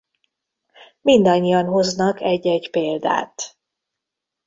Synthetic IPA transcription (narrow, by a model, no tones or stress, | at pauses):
mind̪ɒɲːijɒnɦo̞znɒkɛɟːɛɟpeːld̪a̰ːt̪